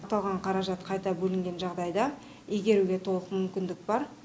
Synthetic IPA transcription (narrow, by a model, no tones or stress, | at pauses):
t̪ɑlˠʁɑɴqʰɑɾɑʒɑt̪qʰɑjt̪ɑbɵlɪŋɡʲe̞nʒɑʁd̪ɑjd̪ɑ | eɡʲe̞ɾuɡʲe̞t̪ʰo̞lˠəqmʏmkʲɪnd̪ɪk̚bɑɾ